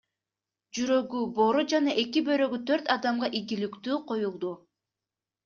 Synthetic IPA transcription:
d͡ʒyɾø̞ɡybo̞ɾud͡ʒɑnɑʔe̞kibø̞ɾø̞ɡyt̪ʰøɾt̪ɑd̪ɑmʁɑʔiɡilikt̪yːqʰo̞julˠd̪u

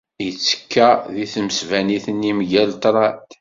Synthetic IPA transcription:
jət͡sːə̥kːæðiθməsvæniθənimʝælt̪ˤɾˤɑ

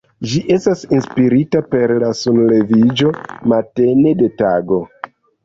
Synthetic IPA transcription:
d͡ʒiʔe̞stasinspiɾitape̞ɾlasunle̞vid͡ʒo̞mate̞ne̞de̞taɡo̞

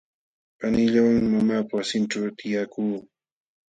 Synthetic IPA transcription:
panɪʎawaŋmamaːpawsɪnʈ͡ʂawt̪ʰɪjakuː

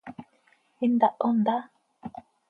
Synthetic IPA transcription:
ind̪aʔond̪a

